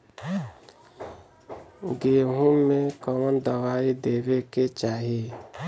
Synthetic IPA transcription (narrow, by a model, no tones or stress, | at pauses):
ɡeɦũmekɔwɔndɔwaideβeket͡ʃaɦe